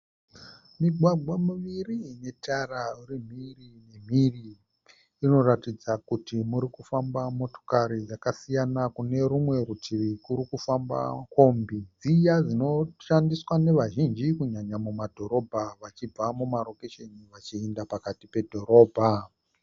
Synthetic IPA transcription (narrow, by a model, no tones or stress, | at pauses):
miɡʱwaɡʱwamuʋirine̞tʰaraurim̤irine̞m̤iriː | no̞ratid͡zakutimuɾikufambamo̞to̞̥kaɾijakasijanakune̞ɾumwe̞ɾutʰirikuɾikufamba̰ko̞mbid͡zijad͡zino̞ʃandiswane̞ʋaʒind͡ʒikuɲaɲamumadʱo̞ɾo̞bʱaʋat͡ʃib͡vamumaro̞keʃeniʋat͡ʃiendapakatipe̞dʱo̞ɾo̞ːbʱa